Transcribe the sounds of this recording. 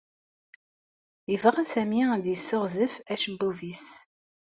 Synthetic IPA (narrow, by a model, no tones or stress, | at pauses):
ivʁənsæmid̪jəsːʊʁzəfæʃəbːuvis